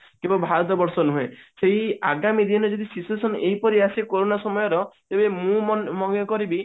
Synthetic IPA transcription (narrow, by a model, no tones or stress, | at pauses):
kimbɔbʱaɾɔt̪ɔbɔɾsɔnuɦẽseɦiaɡamid̪ʱinɔd͡ʒɔd̪isisuesɔneɦipɔɾiasikoɾonasɔmɔjɔɾɔt̪ebemũmɔɡɔkɔɾibi